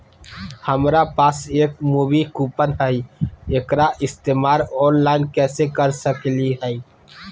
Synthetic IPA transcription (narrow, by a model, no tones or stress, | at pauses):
həmɾapaːseːk̚muːbikuːpənɦɛieːkɾaʔɪst̪eːmaːɾɔːnlaːɪnkɛːsekəɾsəkliɦɛi